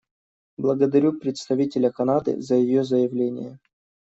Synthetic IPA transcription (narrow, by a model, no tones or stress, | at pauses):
blˠəɡəd̪ɐɾʲupɾʲɪt̪st̪ɐvʲitʲɪlʲəkɐnad̪ɨ̰zəjɪjozəjɪvlʲenʲɪ̰jə